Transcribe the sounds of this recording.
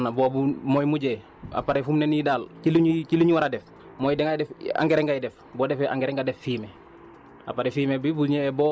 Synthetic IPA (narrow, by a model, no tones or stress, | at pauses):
nabobumojmuɟeː | a̰paɾefumnenidaːlkiluɲikiluɲiwaɾadef | moːjidɛŋadɛfa̰ŋɡeɾeŋɡajidef | boːdefɛʔa̰ŋɡeɾeŋɡadefːiːme | a̰paɾefiːmebibuɲeːbo